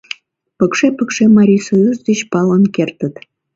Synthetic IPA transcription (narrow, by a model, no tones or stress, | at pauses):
pəkʃepəkʃemɑɾʲisojuzd̪et͡ɕpɑlənkert̪ət̪